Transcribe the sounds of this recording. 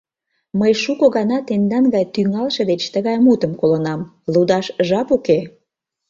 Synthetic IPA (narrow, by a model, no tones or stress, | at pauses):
məjʃukoɣɑnɑt̪end̪ɑnɡɑjt̪yŋɑlʃĕd̪et͡ɕt̪əɣɑjmut̪əmkolonɑm | lud̪ɑʃʒɑpuke